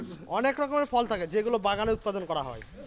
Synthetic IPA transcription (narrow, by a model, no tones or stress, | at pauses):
ɔnekɾɔkomeɾfɔlt̪ʰaked͡ʑeɡulobaɡaneut̪̚pad̪onkɔɾaɦɔ̰e